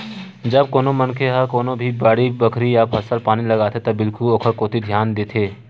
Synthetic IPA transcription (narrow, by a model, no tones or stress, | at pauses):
d͡ʒɐb̚koːnomɐnkʰeɦakoːnobʱibaːɽibɐkʰɾijapʰɐsəlpaːnilɐɡaːt̪ʰet̪ɐbɪlkʊloːkʰəɾkoːt̪id̪ʱjaːnd̪eːt̪ʰeː